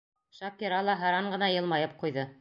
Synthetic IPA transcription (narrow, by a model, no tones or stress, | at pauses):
ʃɑkiɾɑlˠɑɦɑɾɑɴɢɤ̆nɑjɤ̆lˠmɑjɤp̚qujðɤ